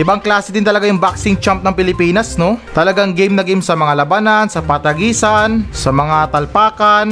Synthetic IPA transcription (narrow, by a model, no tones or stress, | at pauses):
ʔɪbaŋklaːsɛd̪ɪnt̪ɐlɐɡajʊŋbaksɪŋt͡ʃamp̚nɐŋpɪlɪpiːnɐsno̞t̪ɐlɐɡaŋɡɛjmnɐɡimsɐmɐŋalɐbanɐnsɐpɐt̪ɐɡiːsɐnsɐmɐŋat̪ɐlpaːkɐn